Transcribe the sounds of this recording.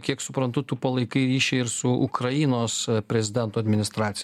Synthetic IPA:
kʲiɛksʊpɾɐnt̪ʊt̪upɐlˠɐɪkɐɪɾʲiːʃʲɛɪɪɾsʊʊkɾɐɪnoːspʲɾʲɛzʲɪd̪ʲɛnt̪uːɐd̪ʲmʲɪnʲɪst̪ɾɑːt̪sʲɪ

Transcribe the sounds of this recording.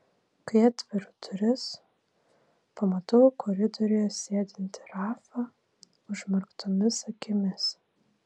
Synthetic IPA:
kɐɐt̪ʲʋʲɪɾʊt̪ʰʊɾʲɪs | pɐmɐt̪oʊkɔɾʲɪd̪ɔɾʲɪjɛsʲeːd̪ʲɪnʲt̪ʲɪ̥ɾɑːfɑ | ʊʒmɐɾkt̪ʰɔmʲɪsɐkʲɪmʲɪs

